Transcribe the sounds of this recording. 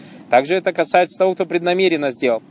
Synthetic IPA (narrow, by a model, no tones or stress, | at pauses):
t̪aɡʐɨɛt̪əkɐsajɪt̪sə̥t̪ɐvo̞k̚t̪o̞pɾʲɪd̪nɐmʲeɾʲɪnːəzʲdʲeləlˠ